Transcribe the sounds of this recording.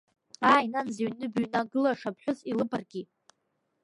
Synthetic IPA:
aːjnanzaɥnɨbɥnaɡɨlaʂapʰħʷᶣʊzilɨparɡʲi

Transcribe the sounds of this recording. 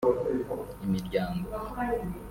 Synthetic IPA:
imiɾɟaːŋɡo

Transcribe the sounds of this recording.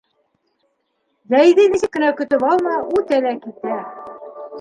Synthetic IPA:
zæjðɘniɕɘk̚kːɘ̆nækɵ̆t̪ɵpɑlˠmɑut̪ælækit̪æ

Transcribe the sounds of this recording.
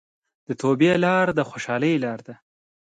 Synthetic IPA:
d̪̥ət̪ʰobjelɑɾd̪əxoʃɑləjlɑɾd̪a

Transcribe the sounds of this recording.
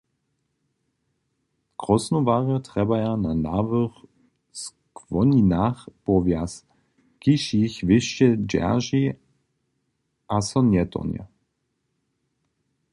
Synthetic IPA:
kʁɔsnɔvaʁət̪ʁ̥ɛbajananaːvəx | s | kvɔninaxpɔvjas | kiʃiçvɪʃɛd͡ʒɛ̰ʒi | ʔasɔnjɛt̪ɔ̰njɛ̰

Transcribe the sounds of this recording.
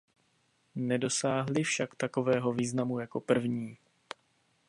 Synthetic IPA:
nɛdo̞saːɦlɪfʃakt̪ako̞vɛːɦo̞viːznamujako̞pr̩vɲiː

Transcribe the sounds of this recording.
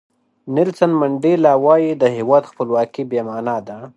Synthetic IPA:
nɪlsənmaɳɖelɑwɑjid̪əɦewɑd̪xpəlwɑkibjemanad̪a

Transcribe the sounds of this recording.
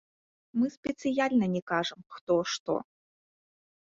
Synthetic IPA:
mɨspʲɛt̪sɨjalʲnɐnʲɛkaʐɐmxt̪ɔʂt̪ɔ̰

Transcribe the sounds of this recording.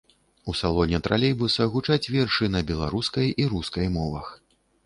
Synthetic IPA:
usalˠɔnʲɛt̪ɾalʲejbusɐɣut͡ʂat͡sʲvʲɛrʂɨnɐbʲɛlˠa̰ɾuskɐjiɾuskɐjmɔvɐ̰x

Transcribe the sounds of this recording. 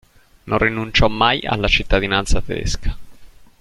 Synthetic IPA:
nonrinunt͡ʃɔmːaja̰lːat͡ʃit̪ːad̪inant̪sat̪ed̪ḛskʰḁ

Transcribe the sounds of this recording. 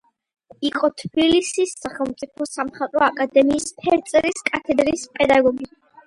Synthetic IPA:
iqʼɔt̪ʰbilisisaχɛlˠmt̪sʼipʰɔsamχat̪ʼɾɔakʼad̪ɛmiːspʰɛɾt̪sʼɛɾiskʼat̪ʰɛd̪ɾiːspʼɛd̪aɡɔɡi

